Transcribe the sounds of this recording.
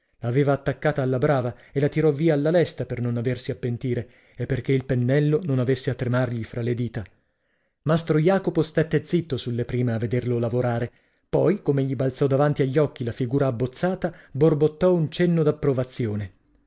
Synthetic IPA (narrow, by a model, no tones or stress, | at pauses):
laːveːvaːt̪ːakːaːt̪aːlːabɾaːvaelat̪iɾɔvːiːaːlːalɛst̪apernonaversiapːent̪iːɾe | epːerk̟eilpenːɛlːononavesːeat̪ːɾemarʎifɾaled̪iːt̪a | mast̪ɾojaːkopost̪et̪ːed̪zit̪ːosulːepɾiːmeavːed̪erlolavoɾaːɾe | pɔjkomeʎːibalt̪sɔd̪avant̪iaʎːɔkːilafiɡuːɾaːbːot̪sːaːt̪aborbot̪ːɔunt͡ʃɛnːod̪apːɾovat̪sːjoːne